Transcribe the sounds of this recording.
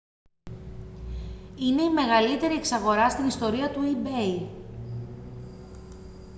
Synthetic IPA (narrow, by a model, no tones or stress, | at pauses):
ine̞ime̞ɣɐlit̪e̞ɾieksɐɣo̞ɾɐst̪inist̪o̞ɾiɐt̪uibej